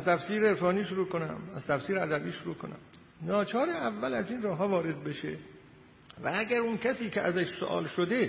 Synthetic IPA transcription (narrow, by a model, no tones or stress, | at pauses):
æzt̪ʰæfsiːɾeeɾfɒːniːʃoɾuːkʰonæ̰mæz̥t̪ʰæfsiːɾeæd̪æbiːʃoɾuːkʰo̰næ̰m | nɒːt͡ʃʰɒːɾeævːælæziːnrɒːɦɒːvɒːɾe̞d̪̚beʃḛ | vææɟæɾuncʰæsiːcʰeʔæzæʃso̰ʔɒ̰ːlʃod̪e̞